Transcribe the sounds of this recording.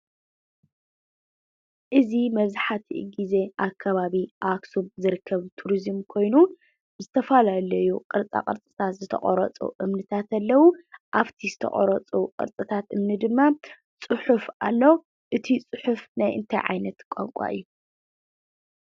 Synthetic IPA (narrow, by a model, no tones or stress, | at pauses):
ʔɨzimɐβzaħat̪ʰiɡize̞ʔakʰːɐβaβiʔaksuβzɨɾɨkʰːɐβt̪ʰuɾizɨmkʰo̞jnu | bɨzɨt̪ʰɐfalalɐjuqʼɨɾt͡sʼa̰kʼɨɾt͡sʼɨ̥t̪ʰat̪zɨt̪ʰɐ̰χʼɔ̰ɾɐt͡sʼṵʔɨmnɨt̪ʰat̪ɐlːɐwuʔaβt̪ʰizɨt̪ʰɐ̰χʼɔɾɐt͡sʼuqʼɨ̰ɾt͡sʼɨt̪ʰat̪ʔɨmnɨd̪ɨmːa | t͡sʼɨħufʔalːow | ʔɨt̪ʰit͡sʼɨħufnajʔɨ̰nt̪ʰajʕa̰jnɐt̪kʷʼa̰ŋkʷʼa̰ʔɨ̰jːu